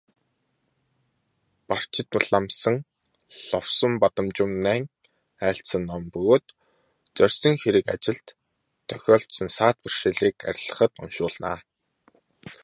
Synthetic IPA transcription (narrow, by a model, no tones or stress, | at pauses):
par̥t͡ɕɪ̆t̪nʊɮamsə̆ŋ | ɮɔwsə̆mpat̪ə̆mt͡ɕʊ̆mnæːŋ | æːɬsə̆nːɔmpɵɣoːt̪ | t͡sœrʲsə̆ŋxeɾɘ̆ka̰t͡ɕɪ̆ɮt̪ʰː | œ̥xʲɔːɬt̪sə̆nsaːt̪̚pir̥ʃeːɮiːka̰ɾʲɪ̆ɮə̥̆χə̆t̪ɔ̰nʃʊːɮna̰ː